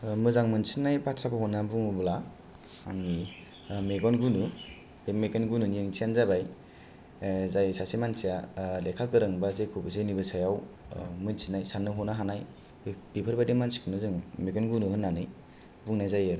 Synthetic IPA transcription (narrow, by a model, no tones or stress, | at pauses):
mɯzaŋmɯnsinajpatʰɾabaɦɔnːabuŋubla | a̰ŋni | meɡɔnɡunɯ | bemeɡɔnɡununijeŋsʰijanzabaj | zajsasimansijalekʰalkɯɾɯŋbazejkʰubɯs̬enibɯsajaw | mɯnsʰinajsanːɯɦɔnaɦanaj | b̥ipʰɯɾbadimansi̥kʰɯnɯzɯŋmeɡɔnɡunɯɦɯnːanɯj | buŋnajzajɯɾ